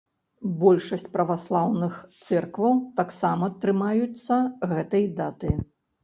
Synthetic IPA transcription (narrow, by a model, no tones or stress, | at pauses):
bɔlʲʂɐsʲt͡sʲpɾɐvaslˠawnɨxt̪sɛrkvɐwt̪aksamɐt̪ːɾɨmajut̪sːɐɣɛt̪ɐjd̪at̪ɨ